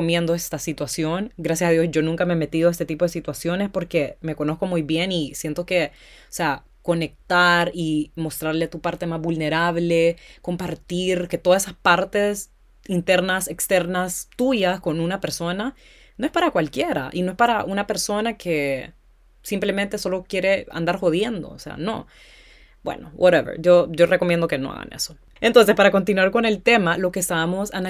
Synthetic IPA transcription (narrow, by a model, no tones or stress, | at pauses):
omje̞nd̪o̞est̪asit̪wasjo̞ŋɡɾasjasaðjo̞sʝo̞nũŋkameeme̞t̪iðoest̪e̞t̪ipo̞ðesit̪wasjo̞ne̞spo̞ɾkeme̞ko̞no̞sko̞mujbje̞nisje̞nt̪o̞ke̞ | osea | ko̞ne̞k̚t̪aɾimo̞st̪ɾaɾleat̪upaɾt̪emazβulne̞ɾaβleko̞mpaɾt̪iɾke̞t̪oðasesaspaɾt̪e̞s | int̪e̞ɾnase̞kst̪eɾnast̪uʝasko̞nunape̞ɾso̞na | no̞e̞spaɾakwalkje̞ɾa̰ʔino̞e̞spaɾaʔunape̞ɾso̞nakʰe̞ | simple̞ment̪e̞so̞lo̞kje̞ɾe̞a̰nd̪aɾxo̞ð̞je̞nd̪o̞̰ːse̞̰a̰no̞̰ | b̥wḛno̞̰wʔoɾeβḛɾʝo̞ʝo̞rʔekomjend̪o̞ke̞no̞̰a̰ɣa̰nʔḛso̞ | ent̪o̞ns̬espaɾako̞nt̪̬inwaɾko̞ne̞lt̪e̞malo̞kesaamo̞sana